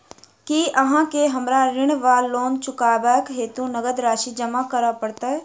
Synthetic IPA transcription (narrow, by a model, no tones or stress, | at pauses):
kiəɦãkeɦɐmɾaɾɪɽ̃ʋaːoːnt͡ʃʊkaːbajəkɦeːt̪ũnəɡəd̪ɾaːʃid͡ʒəmakəɾapəɽt̪aɦɛː